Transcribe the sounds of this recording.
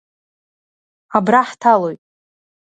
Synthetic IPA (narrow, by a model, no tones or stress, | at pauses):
abraħtʰalo̞jtʼ